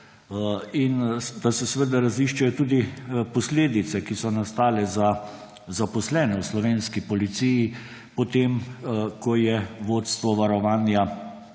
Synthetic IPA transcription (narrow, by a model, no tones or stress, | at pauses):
ind̪asɛsʋəd̪aɾaziʃt͡ʃajɔt̪uːd̪ipɔsleːd̪it̪sɛkisɔnast̪aːlɛza | zapɔslɛːnɛwslɔʋeːnskipɔlit̪siji | pɔt̪emkɔjɛʋoːt̪st̪ʋɔʋaɾɔʋaːnja